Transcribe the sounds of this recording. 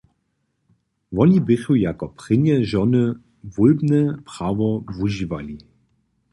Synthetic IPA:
vɔlibɪxujakɔpʁ̥ɪnjɛʒɔnə | vulbnɛpʁ̥aʋɔvuʒivali

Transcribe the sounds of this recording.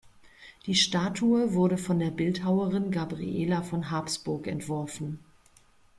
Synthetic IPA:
d̥iːʃtaːtʰuəvʊɐɾəfɔndeːɐbɪlthaʊəʁɪnɡabʁḭʔḛːlafɔnɦaɐpsb̥ʊɐkɛ̰ntv̥ɔɐfn̩

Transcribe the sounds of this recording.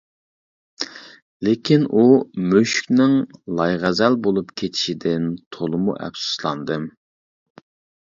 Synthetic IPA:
lekʲʰinʔumøʃkʲnɪŋlˠɑjʁæzɛlbolˠupkʲʰet̪ʰi̥ʃid̪ɪnt̪ʰolˠɨmṵʔɛ̰psu̥slˠɑnd̪ɨm

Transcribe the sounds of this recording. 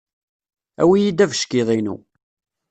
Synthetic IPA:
æ̰wijid̪ævʃkiðˤinṵ

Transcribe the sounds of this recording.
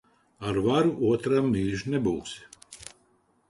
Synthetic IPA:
aɾvaɾuʔuɔt̪ɾamːiːʒnɛbuːs

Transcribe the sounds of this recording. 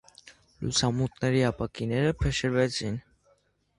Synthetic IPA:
lṵsamut̪naɾiapakineɾpʰeʃeɾbɛt͡ɕin

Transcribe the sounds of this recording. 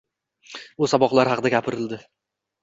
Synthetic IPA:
ʊsɒbɒqlˠaɾhɑqʰɨd̪aɡʲapʰɪɾɪld̪ɪ

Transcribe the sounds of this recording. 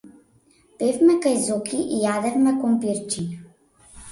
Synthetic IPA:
pefmɛkajzɔkʰiʔijad̪ɛfmɛkompiɾt͡ʃiɲ

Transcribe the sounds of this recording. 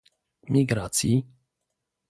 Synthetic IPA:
miɡɾat͡si

